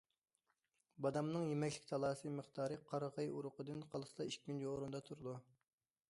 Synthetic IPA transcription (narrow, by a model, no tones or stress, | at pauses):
bɑd̪ɑmnɨŋjemɛkʲlɪk̚ʲt̪ʰɑlˠɑːsɨməχt̪ɑːɾɨqʰɑɾʁɑjuɾʊqʰəd̪ɨnqʰɑlˠɨslˠɑiʃʲmʲynd͡ʒjoɾund̪ɑt̪ʰuɾɨd̪u